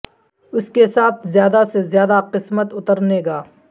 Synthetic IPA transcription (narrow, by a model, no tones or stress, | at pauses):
ʊskesaːt̪ʰzjaːd̪asezjaːd̪aqɪsmət̪ʊt̪əɾneːɡaː